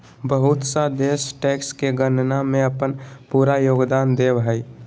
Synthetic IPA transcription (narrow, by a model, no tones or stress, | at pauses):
bəɦʊt̪səd̪esʈɛkskeɡənnamẽəpənpuɾajoːɡd̪aːnd̪ebɦəj